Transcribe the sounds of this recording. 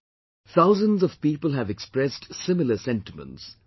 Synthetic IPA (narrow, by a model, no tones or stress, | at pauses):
θʰaʊzə̃nzɔv̥piːpəlˠɦævɛkspɹɛstsɪmɪləsɛ̃nʈɪmə̰̃nts